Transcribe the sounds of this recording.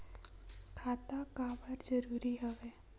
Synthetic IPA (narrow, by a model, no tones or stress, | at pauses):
kʰaːt̪akaːbəɾd͡ʒəɾuːɾiɦəʋeː